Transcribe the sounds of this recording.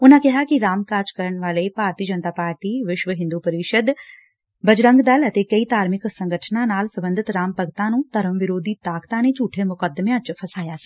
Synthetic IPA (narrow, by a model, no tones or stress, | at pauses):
ʊn̤ãkɛɦakiɾaːmkaːt͡ʃkəɾəɳʋaːlepaːɾt̪iːd͡ʒənt̪aːpaːɾʈiʋɪʃʋəɦɪ̃nd̪upɐɾɪʃəd̪ | bɐd͡ʒɾə̃ŋɡd̪ɐlɐt̪ekɐit̪aːɾmɪksɐ̃ŋɡəʈʰnãnaːlsɐbə̃nd̪ʱɪt̪ɾaːmpəɡt̪ãnũt̪ɐɾəmʋɪɾoːd̪ʱit̪aːkt̪ãnet͡ʃuːʈʰemʊkəd̪mẽɐt͡ʃpʰɐsaːjasi̥ː